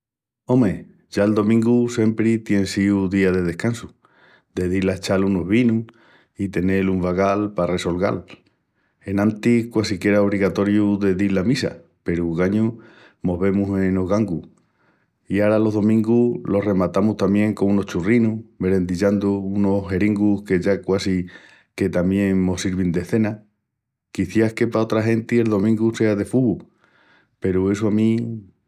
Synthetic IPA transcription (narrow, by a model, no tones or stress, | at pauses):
o̞me | ʝaeld̪o̞mĩŋɡuse̞mpɾit̪je̞nsiuðiaðe̞ð̞e̞hkansu | d̪e̞ðilaet͡ʃalunoɦβinu | it̪e̞ne̞luɱfaɣalpare̞so̞lɣa̰l | e̞nãnt̪ihkwasikje̞ɾaoβ̞ɾiɣat̪o̞ɾjuðe̞ðiɾlamisa̰ | pe̞ɾuɣaɲu | mo̞βe̞muse̞noɣaŋɡu | iaɾalo̞ɦðo̞mĩŋɡulo̞hre̞mat̪amuht̪amje̞ŋkonuno̞ht͡ʃurinuhme̞ɾe̞nd̪iʎand̪uuno̞ɦe̞ɾiŋɡuhke̞ʝakwasi | ke̞t̪amje̞ŋmo̞siɾβind̪e̞θe̞na | kiθjake̞pao̞t̪ɾaɦe̞nt̪ie̞lðo̞mĩŋɡuse̞aðe̞fuɣu | pe̞ɾue̞suamĩ